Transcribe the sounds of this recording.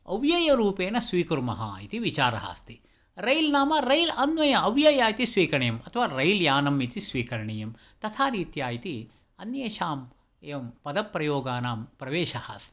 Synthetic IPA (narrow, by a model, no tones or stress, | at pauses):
ɐ̰ʋjɐjɐɾuːpeːnɐsʋiːkuɾmɐɦɐ̰it̪iʋit͡ʃaːɾɐ̰ɦa̰ːst̪i | ɾɐjlnaːmɐɾɐjlɐnʋɐjɐːʋjɐjaːjit̪isʋiːkɐɳɐjɐmɐt̪ʰɐʋaːɾɐjljaːnɐmit̪isʋiːkɐɾɐɳɐjɐm | t̪ɐt̪ʰaːɾiːt̪jaːjit̪i | ɐnjeːʃaːm | eːʋɐmpɐd̪ɐpːɾɐjoːɡaːnaːmpɾɐʋeːʃɐha̰ːst̪i̥